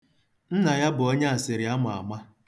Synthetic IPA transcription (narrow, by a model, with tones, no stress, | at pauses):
n̩˦na˨ja˦bʊ˨o˦ɲe˦a˨sɪ˨ɾɪ˨a˦mʊ˨a̰˨ma˦